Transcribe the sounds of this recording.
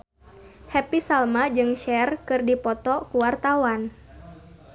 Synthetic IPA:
hɛpisalmad͡ʒɨŋʃɛrkɨrdipɔt̪ɔkuwart̪awan

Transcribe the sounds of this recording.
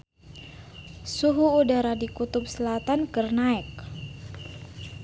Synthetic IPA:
suɦuːdaɾadikut̪ʊp̚səlat̪ankərnaɛk̚

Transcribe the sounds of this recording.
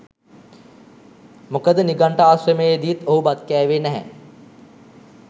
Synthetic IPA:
mokəd̪əniɡaɳʈəaːsrəmejed̪ijit̪oɦubat̪kɛːʋeːnɛɦæ̰

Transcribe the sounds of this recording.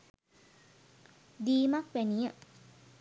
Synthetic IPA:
d̪iːmakʋenijə

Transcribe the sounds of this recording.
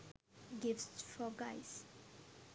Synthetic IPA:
ɡiftfɔɡajs

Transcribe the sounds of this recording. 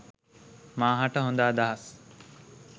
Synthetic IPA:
mãːɦaʈəɦũnd̪aːd̪aɦəs

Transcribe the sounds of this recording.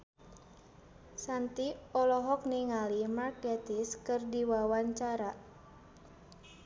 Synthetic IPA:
sant̪iɔlɔɦɔk̚niŋalimarkɛt̪iskɨrdiwawaɲt͡ʃaɾa

